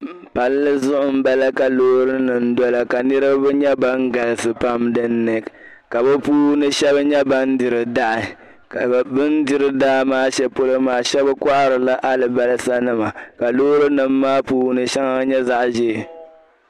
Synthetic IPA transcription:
pa˦lːɨ˦zʊ˦ʔʊ˨m̩˦ba˦la˦ka˨loː˦ɾɨ˦nɨ˨n̩˦dɔ˦la˨ka˨nɨ˦ɾɨ˦bbɛ˦ɲɛ˦ba˦ŋ˦ɡa˨lɨ˨sɨ˨pa˦mdɨ˦n̩ːɨ˨ | ka˨bɛ˦puː˦nɨ˦ʃɛ˦bɨ˦ɲɛ˦ba˦n˦dɪ˨ɾɨ˨da˦ʔɪ˨ | kbɨ˦n˦dɪ˦ɾɨ˨daː˦maː˦ʃɛ˦po˦lo˦maː˨ʃɛ˦bɨ˦ka˦ʔa˦ɾɨ˨la˦ʔa˦lɨ˨ba˦lɨ˦sa˦nɨ˦ma˨ka˨loː˦ɾɨ˦nɨ˨mːaː˦puː˦nɨ˨ʃɛ˦ŋa˦ɲɛ˦za˦ʔʒe˦˨

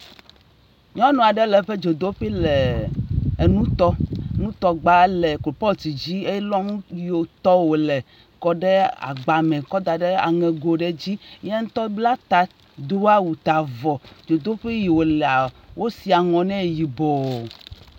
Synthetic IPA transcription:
ɲɔ̃˦nɔ̃˨a˨ɖɛ˦lɛ˨ɸe˦d͡ʒo˨d̪o˦ɸi˦le˨ | e˨nũ˦t̪ɔ˦nũ˦t̪ɔ˦ɡ͡ba˦lɛ˨klo˨pɔ˦˨t̪i˨d͡ʑi˦e˦jlɔ˦ŋũ˦jo˨t̪ɔ˦wo˨lɛ˨ | kɔ˦ɖɛ˦a̰˨ɡ͡ba˨mɛ̃˨kɔ˦d̪a˨ɖe˦a̰˨ŋɛ̃˨ɡo˨ɖe˦d͡ʑi˦ɲɛ˦ŋ̩˦t̪ɔ˦bla˦t̪a˨ | d̪u˦a˦wu˨t̪a˨vɔ˨d͡ʒo˨d̪o˦ɸi˦ji˨wo˨lɛ˨a˨ | wʔo˦si˨a˨ŋɔ̃˨nɛ̃˦˨ji˨bɔ˨

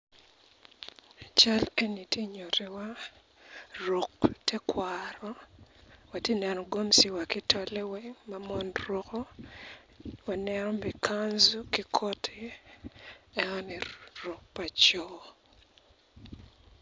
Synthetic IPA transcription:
at͡ʃa˦le˦ni˨tje˦ɲo˨ɾi˨wa˦ | ro˨ktʰɛ˦kwaɾɔ | wa˨te˦˨nɛ˨nɔ˨ɡo˦msi˨wa˨ki˦tʰo˦le˦wɛ˦ŋma˨mɔ˦nro˨ko˦ | wa˨nɛnɔ˦mi˨kʰanzu˦ki˦kʰɔ˦tʰɪ˦ | ɛ˦ɔnɪ˨ro˨k̚pa˨t͡ʃɔ

